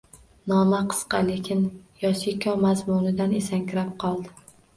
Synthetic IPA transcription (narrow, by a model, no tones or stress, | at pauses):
nɒmaqʰɨ̥sqɑlekʲʰɪnjɒsikʲʰɒmazmʊnɪd̪anesaŋkʰʲɾap̚qʰɒlˠd̪ɪ